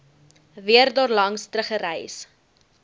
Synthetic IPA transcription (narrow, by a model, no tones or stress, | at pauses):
viərdɑːrlɐŋstɾəχəɾɛjs